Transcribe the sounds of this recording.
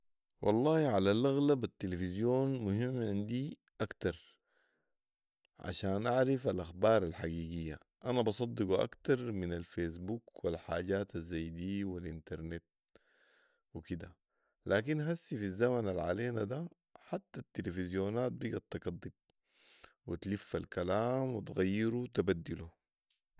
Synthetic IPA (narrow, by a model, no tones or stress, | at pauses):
wʔɑ̰lˤːɑːhʕalalʔaɣlabat̪ːilefizjoːnmuhimːʕɪnd̪i | ʔakt̪ɑɾˤ | ʕa̰ʃaːnʔaʕɾifalʔaxbɑːɾˤalħaɡiːɡijːa̰ | ʔanabɑsˤɑd̪ˤːiɡuʔa̰kt̪ɑɾˤminalfeːs̬bukwilħaːɟaːt̪azːajd̪iːwilʔint̪ɑɾˤnet̪̚ | wikid̪a̰ | lʔaːk̬inɦasːifizːamanalʕaleːnad̪a | ħat̪ːat̪ːilefizjoːnaːt̪̚biːɡat̪ːɑɡɑd̪ˤːib̚ | wit̪lifːalkalaːmwit̪ɣajːiɾut̪abad̪ːilu